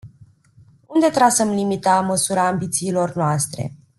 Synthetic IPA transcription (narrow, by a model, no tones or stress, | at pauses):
und̪e̞t̪ɾasəmlimit̪aməsuɾaːmbit̪siːlo̞rnoast̪ɾe̞̰